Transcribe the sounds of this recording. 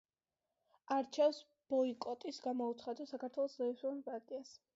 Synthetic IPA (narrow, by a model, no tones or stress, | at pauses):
aɾt͡ʃʰɛfs | b̥ɔikʼɔt̪ʼisɡamɔut̪sχad̪asakʰaɾt̪ʰwɛlˠɔszɛisɔanpʼaɾt̪ʼias